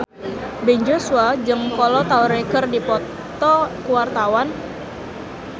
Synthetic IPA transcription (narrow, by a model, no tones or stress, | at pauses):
bɛɲd͡ʒosuad͡ʒɨŋkɔlɔt̪auɾekərdipɔ | t̪ɔkuwart̪awan